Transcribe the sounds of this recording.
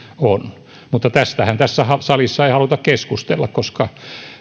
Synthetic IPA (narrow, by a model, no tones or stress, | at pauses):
on | mut̪ːɑt̪æst̪æhænt̪æsːæhɑsɑlisːɑeihɑlut̪ɑkkeskust̪elːɑkkoskɑ